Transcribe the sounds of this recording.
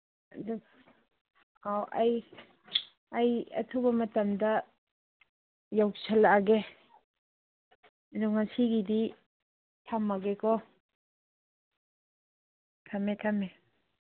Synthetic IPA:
d | awʔaj | ajɐ̰tʰubɐmɐtɐmdɐ | jawsalaɡe | duŋasiɡidi | tʰamːaɡekʰɔ | tʰametʰame

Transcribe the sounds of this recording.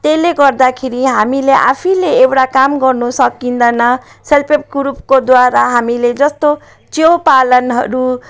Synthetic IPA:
t̪eleɡʌrd̪akʰeɾiɦamileʔa̰pʰileewʈakamɡʌrnusʌkind̪ʌnʌ | selpʰep̚ɡuɾupkod̪waɾaɦamiled͡zʌst̪o | t͡sjowpalʌnɦʌɾu

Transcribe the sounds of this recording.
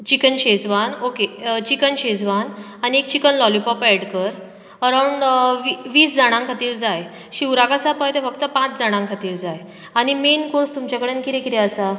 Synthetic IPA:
t͡ɕikənɕed͡zʋanoket͡ɕikənɕed͡zʋan | aniekt͡ɕikənlɔlipɔpɛɽkəɾ | əɾawɳɖʋiʋiːsd͡zaɽ̃ãŋkʰat̪iːɾd͡zaj | ɕiwɾakasapɔjt̪efəkt̪əpãt͡sd͡zaɽ̃ãŋkʰat̪iːɾd͡zaj | aɽ̃imenkoɾst̪umt͡ɕakəɽenkit̪ẽkit̪ɛəsa

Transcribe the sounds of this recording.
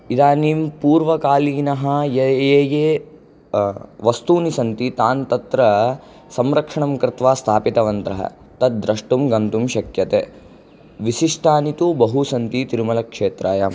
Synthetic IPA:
id̪aːniːmpuːɾʋɐkaːliːnɐɦɐjejeːjeː | ʋɐst̪uːnisɐnt̪it̪aːnt̪ɐt̪ɾɐ | sɐmɾɐkʂɐɳɐmkɾɪt̪ʋaːst̪ʰaːpit̪ɐʋɐnt̪ɾɐɦɐ̰ | t̪ɐt̪̚d̪ɾɐʂʈumɡɐnt̪umʃɐkjɐt̪eː | ʋisiʂʈaːnit̪ubɐɦusɐnt̪it̪iɾumɐlɐkʂeːt̪ɾʔaːjam

